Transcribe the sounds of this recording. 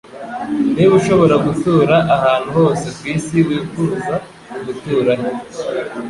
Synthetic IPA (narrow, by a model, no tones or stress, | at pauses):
niβuʃo̞βo̞ɾaɡutuːɾaʔahaːn̥̤huho̞ːse̞kwiːsiwiːfuːza | kuɡutuːɾaɲe